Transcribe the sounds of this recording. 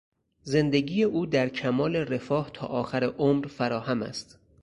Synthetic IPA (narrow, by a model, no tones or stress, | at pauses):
ze̞nd̪e̞ɟiːjeʔuːd̪æɾcʰæmɒːle̞re̞fɒːht̪ʰɒ̰ːʔɒːxæɾeʔomɾfæɾɒːhæmæ̰st̪